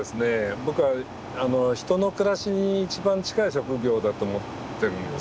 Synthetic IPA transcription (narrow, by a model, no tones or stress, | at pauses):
d̪esɨne̞bo̞kɯ̟βa | ano̞çi̥t̪o̞no̞kɯ̟ɾaɕiɲ̟iːt͡ɕibãɲt͡ɕi̥kaiɕo̞kɯ̟ɡʲo̞ːd̪at̪o̞ːmo̞t̪ːe̞ɾɯ̟̃ne